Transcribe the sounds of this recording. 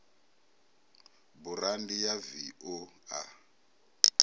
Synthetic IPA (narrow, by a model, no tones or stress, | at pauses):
buɾandijaviɔa̰